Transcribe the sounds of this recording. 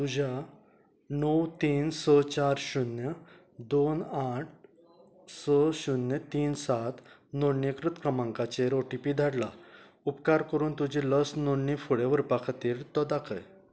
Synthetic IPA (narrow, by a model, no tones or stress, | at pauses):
t̪ud͡ʑʱa | nəwt̪iːnsɔt͡ɕaɾɕunjə | d̪onaʈʰ | sɔɕunːjət̪iːnsat̪noɳːekɾut̪kɾəmãŋkat͡ɕeɾoʈipiːd̪ʱaɽla̰ | upkaɾkəɾuːnt̪ud͡ʑiləsnoɳːifuɽeʋəɾpakʰat̪iːɾt̪ɔd̪akʰəj